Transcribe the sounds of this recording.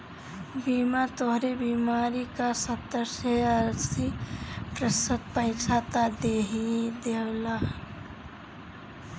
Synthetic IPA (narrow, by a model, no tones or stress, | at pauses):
biːmat̪oɦɾebiːmaːɾikasət̪ːəɾseəɾsipɾəsəd̪̚pəiksat̪ad̪eːɦid̪ewla